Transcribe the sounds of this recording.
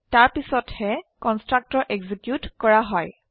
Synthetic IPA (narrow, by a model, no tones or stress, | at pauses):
taɹpisɔthɛkɔnstɹak̚tɔɹʔeɡzikjutkɔɹaɦɔj